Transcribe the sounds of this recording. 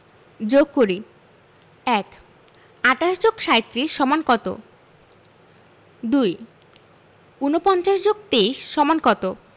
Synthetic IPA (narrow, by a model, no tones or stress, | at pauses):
d͡ʑoɡ̚koɾi | ɛk | aʈaʃd͡ʑoɡʃajt̪ːɾiʃɔmankɔt̪o̰ | d̪uj | unopɔnt͡ɕaʃd͡ʑoɡ̚t̪eiʃːɔmankɔt̪o